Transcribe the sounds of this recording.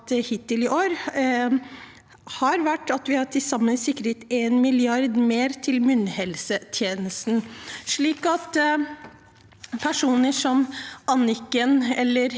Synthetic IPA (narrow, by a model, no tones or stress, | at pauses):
t̪hɪt̪ɪlɪʔoːɾ | hɑɾʋæʈːɑt̪ʋɪhɑʈ̪ʰɪsɑmːənsɪkːɾhet̪eːnmɪlɪɑɾd̪meːɾt̪ʰɪlmʉnhɛlsət̪ʰjeːnəst̪n̩ʂɭiːkɑt̪ | pʰæʂuːnəʂɔmʔɑnɪkːənɛlːəɾ